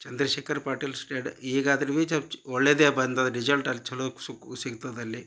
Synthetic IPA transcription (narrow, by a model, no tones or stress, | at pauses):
t͡ʃɐnd̪ɾɐʃeːkʰɐɾpaːʈilsʈeːɖiːɡaːd̪ɐɾiʋiːt͡ʃɐt͡ʃɔɭːeːd̪eːbɐnd̪ɐd̪ɐɾid͡ʒɐlʈɐlːit͡ʃɐlossiɡut̪ɐd̪ɐlːi